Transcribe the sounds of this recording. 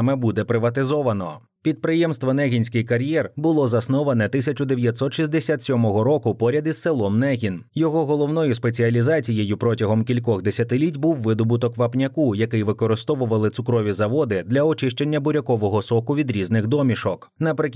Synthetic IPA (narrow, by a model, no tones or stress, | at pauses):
mɛbud̪ɛpɾɪʋɐt̪ɪzɔʋɐnɔ̰ | pʲid̪̚pɾɪjɛmst̪ʋɔnɛɦʲinʲsʲkɪjkɐɾʲjɛrbʊlˠɔzɐsnɔʋɐnɛt̪ɪsʲɐt͡ʃʊd̪e̞ʋʲjɐt̪ʲsɔt̪ʃizʲd̪esʲat̪sʲɔmɔɦɔɾɔkʊpɔɾʲɐd̪ʲisːelˠɔmnɛɦʲinjɔɦɔɦɔlˠɔwnɔjʊspe̞t͡sʲiɐlʲizɑt͡sʲijejʊpɾɔtʲɐɦɔmkʲilʲkɔxd̪esʲɐt̪ɪlʲitʲbuwːɪd̪ɔbʊt̪ɔkʋɐpnʲɐkujɐkɪjʋɪkɔɾɪst̪ɔʋʊʋɐlˠɪt̪sʊkɾɔʋʲizɐʋɔd̪ɪd̪lʲɐɔt͡ʃɪʃt͡ʃenʲːɐbʊɾʲɐkɔʋɔɦɔsɔkʊʋʲid̪ɾʲiznɪxd̪ɔmʲiʃɔk | nɐpɾɪkʲ